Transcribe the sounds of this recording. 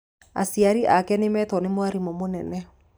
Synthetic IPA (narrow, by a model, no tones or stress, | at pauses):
a̰siaɾiʔakɛnemɛtwɔnemwaɾimomonɛnɛ